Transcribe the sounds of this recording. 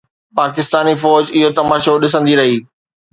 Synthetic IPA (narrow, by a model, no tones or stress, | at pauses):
paːkɪst̪aːnifɔːd͡ʑɪɦot̪ɐmaːʃoɗɪsə̃nd̪iɾɐɦiː